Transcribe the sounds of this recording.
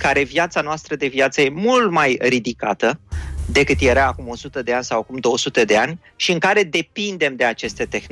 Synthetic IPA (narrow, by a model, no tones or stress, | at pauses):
kaɾe̞vjat̪sanoast̪ɾəd̪e̞vjat̪səje̞mult̪majrid̪ika̰t̪əd̪e̞kɨt̪jeɾaːkumo̞sut̪əd̪e̞anʲsawakumd̪o̞wəsut̪e̞d̪e̞anʲ | ʃiɨŋkaɾe̞d̪e̞pind̪e̞md̪e̞at͡ʃe̞st̪e̞t̪e̞xn